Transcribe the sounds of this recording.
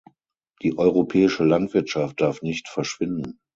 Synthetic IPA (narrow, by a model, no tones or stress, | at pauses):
d̥iːʔɔʏʁopʰɛːɪʃəlantv̥ɪɐtʃaft̚d̥aɐfnɪçtfɛɐʃv̥ɪndn̩